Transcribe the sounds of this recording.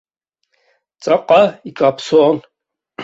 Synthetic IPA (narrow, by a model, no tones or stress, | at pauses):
t͡sʼaqʼaikʼapʰsoːn